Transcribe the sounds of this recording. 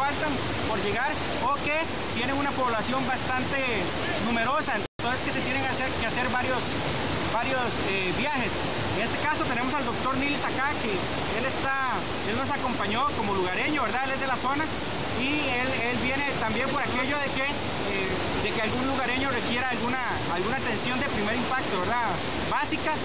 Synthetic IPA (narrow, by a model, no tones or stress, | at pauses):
alt̪am | poɾʝe̞ɣaɾ | oke | t̪je̞neunapo̞βlasjo̞mbast̪ant̪e | nume̞ɾo̞saent̪t̪oeskeset̪jeneŋsekease̞ɾβaɾjos | baɾjos | ebjaxe̞s | eŋe̞st̪ekaso̞t̪ene̞mo̞s̬ald̪o̞k̚t̪o̞ɾnilsakake | elest̪a | e̞lno̞s̬ako̞mpaɲo̞ko̞mo̞luɣaɾe̞ɲo̞βe̞ɾðae̞le̞zd̪e̞laso̞na | i | el | e̞lbje̞ne̞t̪ambje̞mpo̞ɾake̞ʝo̞ðeke | e | d̪e̞kealɡunluɣaɾe̞ɲo̞re̞kje̞ɾaalɣunaː | lɣunat̪e̞nsjo̞nd̪epɾime̞ɾimpak̚t̪o̞βe̞ɾða | basika